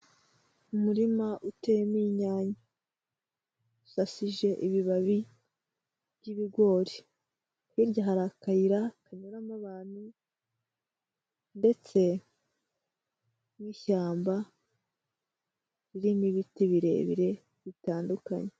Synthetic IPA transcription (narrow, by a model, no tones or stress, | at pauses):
umuɾimaʔute̞jemiːɲaːɲa | usasiʒe̞ʔiβiβaβi | βɟiβiɡwo̞ɾi | hiɾɟaɦaɾakajiɾakaɲuɾamaβaːni | nde̞t͡se̞ | mwiːʃaːmba | ɾiɾiniβitiβiɾe̞̰βḭɾe̞ | βitaːnduka̰ɲe